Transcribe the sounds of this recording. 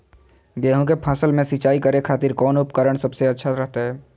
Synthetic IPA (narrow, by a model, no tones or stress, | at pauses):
ɡɛːɦõk̬epʰaːsəlmẽsit͡ʃaːikəɾekʰaːt̪iɾkɔːnʊpkəɾəɽ̃səbseɐtːʃʰaɾəɦt̪aɦɛː